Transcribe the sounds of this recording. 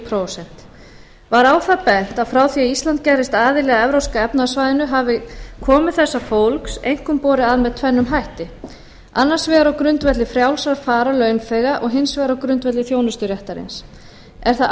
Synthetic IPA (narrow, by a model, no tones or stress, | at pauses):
pʰɾosɛn̥t̪ | vaɾawθapɛn̥t̪aðfɾaːwθiaist̪lant̪̚cɛɾɪst̪aːðɪlɛːɣaɛvɾowskaɛpnasvajðɪnʏɦavɪkʰɔːmʏθɛsːafowlksejŋ̥kʏmpɔːɾɪaðmɛðt̪ʰvɛnːʏmɦajht̪ɪ | anːḁsvɛːɣaɾawkɾʏnt̪vɛt̪lɪfɾjawlsvaɾfaːɾalœɥnfɛɣaʔɔɣɦɪnsvɛːɣaɾawkɾʏnt̪vɛt̪lɪθjownʏst̪ʏɾjɛht̪aɾɪ̰ns | ɛɾ̥θa